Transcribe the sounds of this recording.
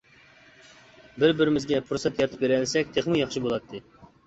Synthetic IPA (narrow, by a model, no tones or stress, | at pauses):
bɪɾbɪɾɪmɪzɡʲɛpʰuɾsɛt̪jɑt̪ʰɨ̥p̚beɾɛlsɛk̚ʲt̪ʰeχmɨjɑχʃibolˠɑt̪ʰːɨ